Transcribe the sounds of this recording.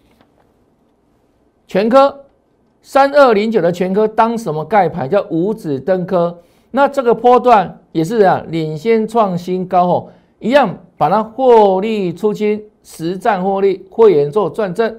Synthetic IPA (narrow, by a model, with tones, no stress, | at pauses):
t͡ɕʰɥɛ˧˦nkʰɤ˦ | sa˦nə˥˩li˨˦ŋt͡ɕjo˨˩ʊd̪ə˦t͡ɕʰɥɛ˧˦nkʰɤ˦˥t̪ɑ˦ŋʂə˧˦mɔ˧ka˥˩ɪpʰa˧˨˦nt͡ɕja˥˩ʊʔu˨˧˥t͡sɹ̩˨˩t̪ə˦˥ŋkʰɤ˦ | na˥˨t͡sɤ˥˨˩ɡə˨pʰɔ˥˦t̪wa˥˨n | jɛ˨˩ʂ̬ɻ̩˥˨˧li˨˩nɕjɛ˥˦nt͡sʰwɑ˥˨ŋɕi˦nkɑ˥˦ʊxo˥˩ʊ | i˧˦jɑ˥˨ŋpa˨˩nʰa˦xwɔ˥˧li˥˨t͡sʰu˦˥t͡ɕʰi˦n | ʂɻ̩˧˦t͡sa˥˧nxwɔ˥˧li˥˩xwe˥˩jɛ˧˦nt͡swɔ˥˧t͡swa˥˧nt͡sə˥˨n